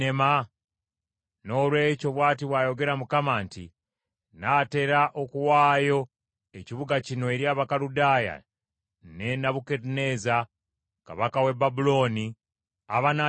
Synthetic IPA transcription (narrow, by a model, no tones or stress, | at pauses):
ema | no̞ːlwe̞ːco̞βwaːtiβwajo̞ɡe̞ɾamukamaːntḭ | nate̞ɾaʔokuwaːjo̞ | eciβuɡacino̞eɾjaːβakaludaːja̰ | nenaβukeɾine̞ːza | ka̰βakawe̞babulo̞ːni | aβana